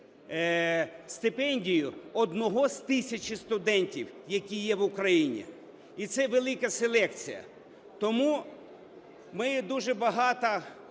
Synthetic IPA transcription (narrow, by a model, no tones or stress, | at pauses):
st̪ɪpɛnʲdʲijʊɔd̪nɔɦɔzʲt̪ɪsʲɐt͡ʃɪst̪ʊd̪ɛnʲtʲiwjɐkʲijɛwʊkɾɐjinʲḭ | it̪sɛʋelˠɪkɐselˠɛkt͡sʲijɐ̰ | t̪ɔmu | mɪd̪uʒɛbɐɦɑt̪ɐ